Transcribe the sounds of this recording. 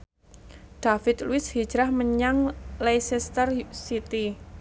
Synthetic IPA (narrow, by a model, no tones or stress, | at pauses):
ɖ̥afɪt̪luɪshi̥d͡ʒɾahməɲaŋlejsɛst̪ərsit̪i